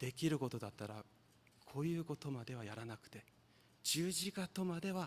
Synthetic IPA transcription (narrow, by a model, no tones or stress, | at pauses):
d̪̥e̞kʲiɾɯ̟ko̞t̪o̞d̪at̪ːaɾa̰ | kʰo̞ːjɯ̟ːko̞t̪o̞mad̪e̞β̞ajaɾanakɯ̟̥t̪e̞ | d͡ʑɨːʑikat̪o̞mad̪e̞β̞a